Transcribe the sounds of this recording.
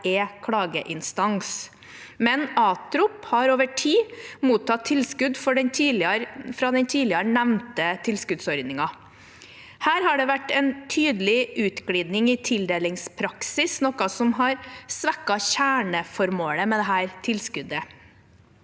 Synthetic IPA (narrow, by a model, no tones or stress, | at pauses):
ɛkʰɽɑːɡəʔɪnst̪ɑŋs | mɛnɑːt̪ɾʊphɑɾoːʋəʈʰiːmuːt̪ʰːɑt̪ʰːɪlskʉd̪fɔɖɛnʰilɪɑɾfɾɑd̪ɛnt̪ʰiːlɪɑɾəɳæʋnt̪ət̪ʰɪlskʉd̪sɔɾd̪nɪŋɑ | hæːɾhɑɖɛʋæʈːɛnt̪ʰyːd̪əlɪʔʉːt̪ɡ̥ɽiːd̪nɪŋɪt̪ʰɪld̪eːlɪŋspʰɾɑksɪsnɔkɑsɔmɦɑɾsʋækːɑçæːɳəfɔɾmoːləmɛd̪ɛɦæːɾt̪ʰɪlskʉd̪ə